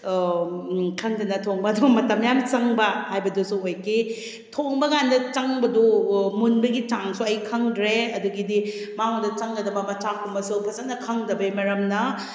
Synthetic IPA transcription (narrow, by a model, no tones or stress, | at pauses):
kʰɐŋdɐnɐtʰoŋbɐːdumɐtɐmjamt͡ʃɐŋbɐhajbɐdusuojki | tʰoŋbɐɡandɐt͡ʃɐŋbɐdumunbɐɡit͡ʃaŋsuɐjkʰɐŋdɾeɐduɡidi | maŋdɐt͡ʃɐŋɡɐdɐbɐmɐt͡ʃakʰumɐsupʰɐzɐnɐkʰɐŋdɐbimɐɾɐmnɐ